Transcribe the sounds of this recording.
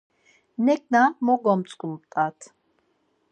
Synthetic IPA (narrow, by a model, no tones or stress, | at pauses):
nɛk̚namɔɡɔmt͡sʼkʼulpt̪ʼat̪ʰ